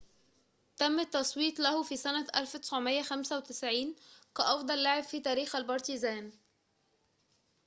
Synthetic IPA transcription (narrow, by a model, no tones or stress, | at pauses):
t̪æmːæt̪ːɑsˤwiːt̪ˤlæhfisænæʔælft̪ɪ̥sʕomejːæxæmsæwet̪ɪsʕiːnkæʔɑfd̪ˤɑlːaʕebfiːt̪æːɾiːxælbɑɾˤt̪izæːn